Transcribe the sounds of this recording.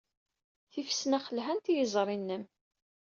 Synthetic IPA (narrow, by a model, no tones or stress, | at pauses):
θifsnæχəlɦænt̪ijəzˤɾˤinːəm